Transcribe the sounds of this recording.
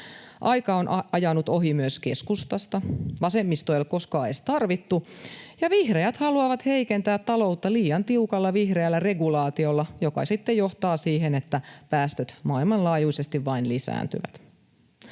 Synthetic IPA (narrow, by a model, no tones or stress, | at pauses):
ʔɑjkɑonʔɑjɑnut̪o̞ɦimyəskeskust̪ɑst̪ɑʋɑse̞mːist̪oelko̞skɑɑest̪ɑrʋit̪ːujɑʋihreæt̪hɑluɑʋɑt̪he̞ikent̪æːt̪t̪ɑlo̞ut̪ːɑliːjɑnt̪iukɑlːɑʋihreælːæreɡulɑːt̪io̞lːɑjokɑ̰sit̪ːejoht̪ɑːsiːɦenet̪ːæpæːst̪øt̪mɑːilmɑnlɑːjuisest̪iʋʋɑinlisæ̰ːnt̪y̰ʋæ̰t̪